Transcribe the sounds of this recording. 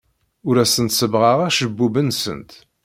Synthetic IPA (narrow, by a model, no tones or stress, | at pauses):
ʊɾæsənt̪səvʁaʁæʃəbːubənsə̰nt̪